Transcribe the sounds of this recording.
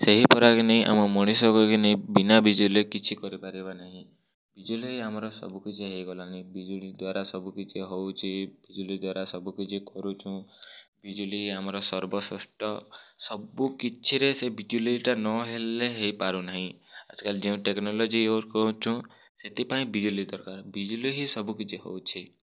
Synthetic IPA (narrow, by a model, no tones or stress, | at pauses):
seɦipɔɾakineĩʔa̰mɔmɔɽ̃isɔkɔkineĩbinabid͡ʒulekit͡ʃʰikɔɾipaɾibanaɦĩ | bid͡ʒulijamɔɾɔsɔ̰bukit͡ʃʰiɦejɡɔlanibid͡ʒulid̪waɾasɔbukit͡ʃʰiɦowt͡ʃʰib̥id͡ʒulid̪waɾasɔbukit͡ʃʰikɔɾut͡ʃʰũbid͡ʒuliɦamɔɾɔsɔɾbɔsɔ̰sʈɔsɔbukit͡ʃʰiɾesebid͡ʒuliʈanɔɦeleɦejpaɾunaɦĩa̰t͡ʃʰɔ̥kald͡ʒeũʈeknɔlɔd͡ʒioɾkɔɦũt͡ʃʰũ | set̪ipaĩbid͡ʒulid̪ɔɾkaɾbid͡ʒuliɦisɔbukit͡ʃʰiɦo̰wt͡ʃʰi